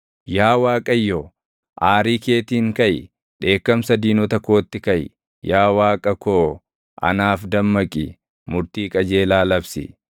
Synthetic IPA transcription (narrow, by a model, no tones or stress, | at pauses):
jaːwaːkʼɐjːo | ʔaːɾiːke̞ːt̪iːŋkɐj | ᶑe̞ːkːɐmsɐd̪iːnɔt̪ɐkːoːt̪ːɪkɐj | jaːwaːkʼɐkoː | ʔɐ̰naːfd̪ɐmːɐkʼɪ | mʊɾt̪iːkʼɐd͡ʒeːlaːlɐbsɪ̰